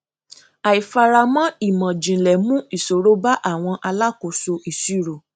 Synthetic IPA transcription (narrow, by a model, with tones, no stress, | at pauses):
a˨i˨fa˧ɾa˧mã˦i˦˨mã˨d͡ʒĩ˨lɛ˨mũ˦i˦˨so˨ɾo˦ba˦ʔa˦˨w̃ɔ̃˧ʔa˧la˦ko˨so˧ʔi˨si˨˦˨ɾo˨